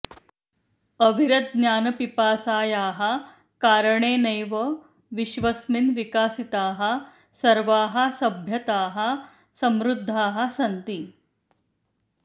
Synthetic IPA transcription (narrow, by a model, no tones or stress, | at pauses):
ɐbʱiɾɐd̪̚njaːnɐpipaːsaːjaːɦɐ̆ | kaːɾɐɳeːnɐjʋɐ | ʋiʃʋɐsminʋikaːsit̪aːɦɐ̆ | sɐɾʋaːɦɐ̆sɐbʱjɐt̪aːɦɐ̆ | sɐmɾud̪ʱːaːɦɐ̆sɐnt̪i